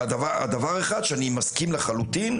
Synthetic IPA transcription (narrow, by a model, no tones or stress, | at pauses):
d̪avaa̰d̪avaʁeχad̪ʃeanimaskimleχalut̪in